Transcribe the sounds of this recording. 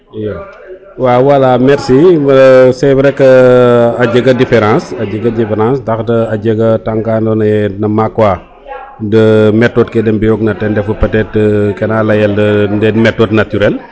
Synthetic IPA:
jɛ | wawɐlamɛɾsi | sɛbɾɛkːəɐɟəɡɐdifɛɾãːsɐɟəɡɐdifɛɾãːsdɐxtəɐɟəɡɐtaŋkaːndɔnɐɛnɐmakwa | dəmɛtːɔt̚kɛdɛmbijɔɡ̚nɐtɛndɛfupɐtɛtkɛnaːlɐjɐldəndɛmɛtːɔtnatyɾɛl

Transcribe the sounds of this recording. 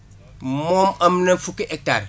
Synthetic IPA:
momamnafukiʔek̚ta̰ɾ

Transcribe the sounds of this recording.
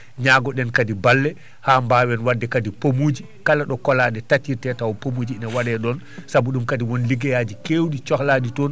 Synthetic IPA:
ɲaɡɔɗɛnkadibalːɛ | haːmbawɛnwadːɛkadipomud͡ʒi | kalaɗɔkɔlaɗɛtatiɾtɛtawɔpomud͡ʒiinawaɗɛɗɔn | sabuɗumkadiwɔnliɡɛjad͡ʒikewɗit͡ʃɔklaɗitɔn

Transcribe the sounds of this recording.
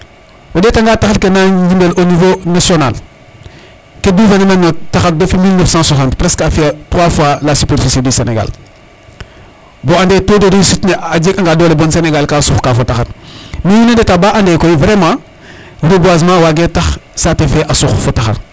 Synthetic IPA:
wodetaŋɡaːtaxɐɾkenad͡ʒimbelonivonasional | kedivenomenːotaxɐɾ̚dofimilnəfsãːswas̬ãːntpɾɛskafitɾwafwalasypeɾfisediseneɡa̰l | boandetodoɾisitnead͡ʒekaŋɡaːdoːlebonseneɡalkaːsuxkafotaxɐɾmijinendetabaːʔandeːkoivɾemãː | ɾubwaz̬mãːwaɡetɐxsatefeʔasuxfotɐxɐ̰ɾ

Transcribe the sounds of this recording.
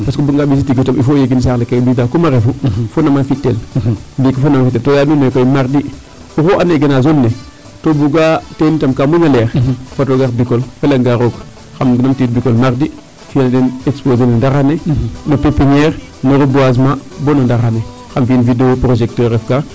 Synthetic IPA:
paskobuŋɡabis̬itiɡotamifojeɡins̬aɾlekebidakumaɾefufonamanfitːelbikafonamafit̬ːeltojadunokojmaɾdi | uxoʔaneɡenazonːe | tobuɡatenitamkamunaleɾfatoɡaɾbikolfelaŋɡaɾok | xamɡinamtit̚bikolmaɾdi | findenekspozenendaɾanenopepiɲeɾ | noɾobuaz̬mabonondaɾane | xamfinvideopɾoʒek̚toɾefka

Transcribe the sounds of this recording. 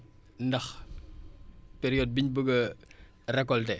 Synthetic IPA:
ndɐx | peɾijɔd̚biɲbəɡɐ | rɛkːɔltɛ

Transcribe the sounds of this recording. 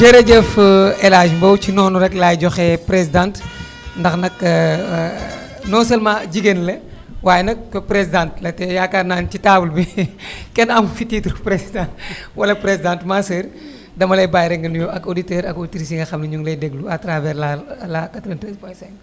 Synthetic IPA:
d͡ʒɛɾed͡ʒɛfɛlaːʒmbɐwt͡ʃinɔːnuɾɛklajɟɔxɛpɾesidãnt | ndɐxnɐkɐ | nɔːsɐlmãːd͡ʒiɡenlɐ | waːjɛnɐk̚ːɐpɾesidãnt̚lɐtɛjaːkaɾnaːnt͡ʃitaːbulbikɛnɐmfititɾupɾesidãntwɐlɐpɾezidãːntmasəːr | dɐmɐlɐjbaːjɾɛŋɡɐnujoʔɐɡoditɛːɾɐɡoditɾis̬iŋɡɐxɐmnɐɲuŋɡlɐjdɛɡluɐtɾavɛɾlalakɐtɾɛntɾɛspɐsɛŋ

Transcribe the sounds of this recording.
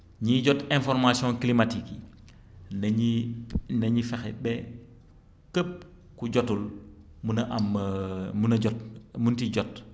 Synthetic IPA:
ɲiɟɔtɛ̃nfɔɾmasjɔ̃klimatiki | nɲinɐɲifɛxɛbɛ | kəp̚ | kuɟɔtul | munɐʔammunɐɔtmuntiɟɔt

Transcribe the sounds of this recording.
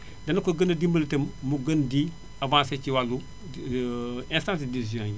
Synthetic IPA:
dɐnɐkoɡɐnɐdimbɐltɐmmuɡɐndi | avãːset͡ʃiwalːu | ɛ̃nstãns̬idizõː

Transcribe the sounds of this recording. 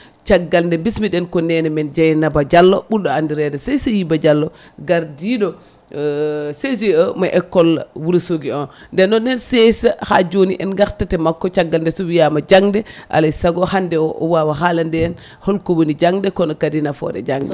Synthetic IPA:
t͡ʃaɡːalndɛmbismiɗɛnkɔnɛnɛmɛnd͡ʒajnabad͡ʒalːɔɓunɗɔandiɾɛdɛsesajibad͡ʒalːɔ | ɡaɾdiɗɔ | ses̬iəmaʔɛkːɔlwuɾusoɡiɔnndɛnɗɔnɛnsesaha̰d͡ʒoniʔɛnɡaɾtatɛmakːɔt͡ʃaɡːalndɛsɔwijamad͡ʒaŋdɛʔa̰lajsaɡɔhandɛɔʔɔwawaɦalandɛːn | hɔlkowunid͡ʒaŋdɛkɔnɔkadinafɔ̰dɛ̰d͡ʒaŋdɛ̰

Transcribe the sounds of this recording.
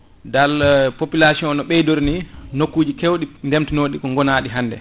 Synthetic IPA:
dalpopilasiɔnɔɓɛjdoɾninokːuːd͡ʒikewɗindemtinoɗikɔŋɡɔnaːɗiɦandɛ̰

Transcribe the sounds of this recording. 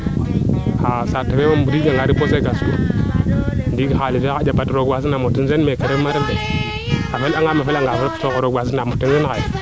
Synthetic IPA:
asatːawemombuɾiɡaŋɡaɾibos̬eɡaskṵ | ndiɡxalifead͡ʒabatɾoɡwas̬inamotinzenmekeɾemaɾelde | afelaŋɡamafelaŋɡafelsokoɾoɡʷas̬inamotːinzenxaj

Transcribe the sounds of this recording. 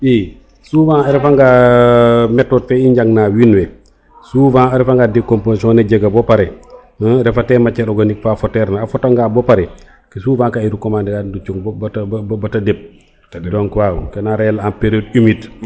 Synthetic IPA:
bi | suvãɐɾifaŋɡa | mɛtːɔt̚fɛiɲɟaŋnawinwɛ | suvãaɾifaŋɡadekːomposɔ̃neɟeɡabɔpaɾɛ | əɾɛfatɛmat͡ʃɛɾɔɡanikfafɔtɛɾnaafɔtaŋɡabɔpaɾɛ | kisuvãkaiɾukɔmandiɡandut͡ʃuŋbbbatadep̚ | dɔŋkwawkɛnaɾɛlaanpeɾiod̚imit

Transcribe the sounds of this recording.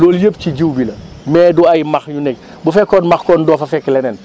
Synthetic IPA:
lɔːljəp̚ciɟiwbilɐ | mɛːduajmɐxɲunɛk̚ | bufɛkːɔːnmɐxkɔːndɔːfɐfɛkːɛlɛnɛn

